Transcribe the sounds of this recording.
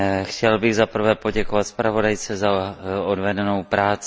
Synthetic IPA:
xcɛlbɪɣzapr̩vɛːpo̞ɟɛkovat̪spɾavo̞dajt͡sɛzaodvɛdɛnowpɾaːt͡s

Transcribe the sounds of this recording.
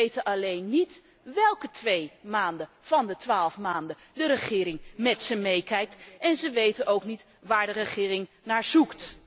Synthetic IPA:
ejtənʔɑlejnːit | ʋɛlˠkətʋejmaːndə | v̥ɑndətʋaːlˠfmaːndə | dəɾəχɪːɾɪŋmɛtsəmejkɛjk̚tʔɛnzəʋejtənʔowknit | ʋaːɹdərəχɪːrɪŋ | naːɹz̥ukt

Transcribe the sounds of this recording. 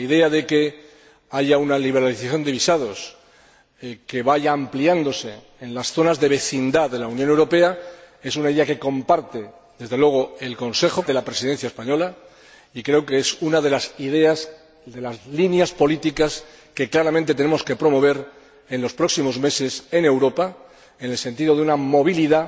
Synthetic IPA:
iðe̞aðe̞ke̞ | aʝaunaliβ̞e̞ɾaliθaθjo̞nd̪e̞βisaðo̞s | ke̞βaʝaːmpliand̪o̞se̞ː | nlasθo̞nazðe̞βe̞θind̪aðe̞launjone̞wɾo̞pe̞a | e̞sunaiðe̞ake̞ko̞mpaɾt̪e̞ | dðe̞zð̞e̞lwe̞ɣ̞oe̞lko̞nse̞xo̞ðe̞lapɾesiðe̞n̟θjaespaɲo̞la | ikɾe̞okeesunaðe̞lasiðe̞as | d̪e̞lazlinjaspo̞lit̪ikas | ke̞klaɾamẽnt̪e̞t̪̬ene̞moske̞pɾo̞mo̞β̞e̞ɾ | e̞nlo̞spɾo̞ksimo̞zme̞se̞se̞ne̞wɾo̞pa | enelse̞nt̪iðo̞ðeunamo̞β̞iliða

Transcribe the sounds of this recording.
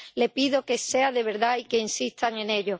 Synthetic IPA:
le̞piðo̞ke̞se̞aðe̞βe̞ɾðaike̞insit̪aŋẽ̞ne̞ʎo

